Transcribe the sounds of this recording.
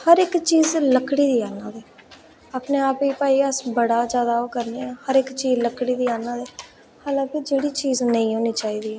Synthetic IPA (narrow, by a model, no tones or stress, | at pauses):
həɾɪkt͡ʃiːzləkɽiːd̪iːaːnaːd̪ɛː | aːpneːaːpiːpaːiːəsbəɽaːd͡ʒjaːd̪aːɦoːkəɾneːɛːhəɾɪkt͡ʃiːzləkɽiːd̪iːaːnaːd̪ɛː | haːlãːkɪd͡ʒeːɽiːt͡ʃiːznəĩːɦoːniːt͡ʃaːiːd̪iːɛː